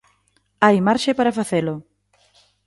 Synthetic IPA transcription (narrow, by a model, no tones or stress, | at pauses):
ajmaɾʃepaɾafaθelʊ